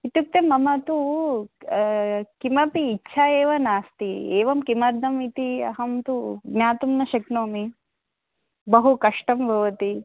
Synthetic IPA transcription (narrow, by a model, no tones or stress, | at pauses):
it̪uk̚t̪emɐmɐt̪u | kimɐpiːtːʃʰaeːʋɐnaːst̪ieːʋɐmkimɐɾd̪ʱɐmit̪iɐ̰ɦɐmt̪uɡnjaːt̪umnɐʃɐknoːmi | bɐɦukɐʂʈɐmbʱɐʋɐt̪i